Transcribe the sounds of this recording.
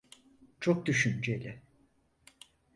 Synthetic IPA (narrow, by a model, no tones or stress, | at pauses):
t͡ʃʰok̚d̪yʃynd͡ʒelʲɪ